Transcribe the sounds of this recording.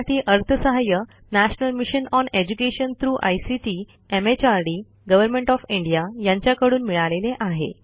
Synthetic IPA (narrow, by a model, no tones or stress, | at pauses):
ʈʰiːʔəɾt̪ʰəsəɦajə | næɕnəlmiɕənɔned͡ʑukeɕənt̪ʰɾuːʔa̰jsiʈiː | emet͡ɕaɾɖiː | ɡəʋəɾmeɳʈɔfiɳɖijajaɲt͡ɕjakəɽuːnmiɭaleleʔaɦḛ